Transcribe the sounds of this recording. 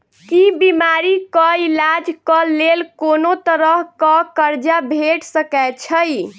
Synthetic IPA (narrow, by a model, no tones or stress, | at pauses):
kibimaɾikəilad͡ʒkəlelkonot̪əɾəɦkəkəɾd͡ʒabʱeʈsəkɛt͡ʃʰəj